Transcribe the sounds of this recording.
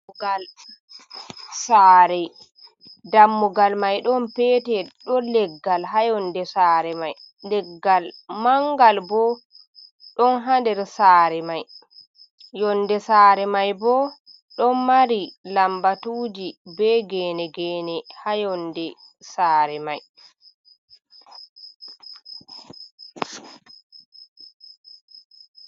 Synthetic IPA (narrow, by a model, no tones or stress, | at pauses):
ɡal | saːɾɛ | damːuɡalmajɗɔnpɛːtɛɗɔlɛɡːalɦajɔndɛsaːɾɛmaj | lɛɡːalmaŋɡalbɔ | ɗɔnɦandɛɾsaːɾɛmaj | jɔndɛsaːɾɛmajbɔ | ɗɔmmaɾilambatuːd͡ʒibɛːɡɛːnɛɡɛːnɛhajɔndɛ | saːɾɛmaj